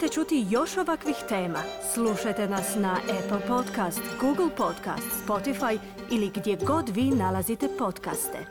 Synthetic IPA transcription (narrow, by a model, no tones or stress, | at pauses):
t̪et͡ʃut̪ijo̞ʃo̞ʋakʋixt̪e̞ːmasluʃajt̪e̞nasnaʔepl̩ˠpo̞t̪kast̪ɡuɡl̩ˠpo̞t̪ka̰st̪spo̞t̪ifaj | iliɡd̪jeɡo̞d̪ʋiːnalazit̪e̞po̞t̪ka̰st̪ḛ